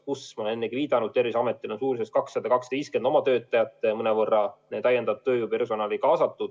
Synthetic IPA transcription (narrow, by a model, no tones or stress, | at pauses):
kusmonenːeɡ̥iviːd̪̥ɑnud̪̥̚t̪e̞rvisɑmet̪ːˑilonsuːɾisest̪kɑksːɑd̪̥ɑkɑkst̪ɑviːst̪ke̞nd̪o̞mɑt̪ø̞ːt̪ːˑɑjɑt̪ːˑmɤnevɤrːɑnet̪æjːend̪ɑd̪̚t̪øːjupe̞rso̞nɑːlikɑːsɑt̪ːˑud̪̥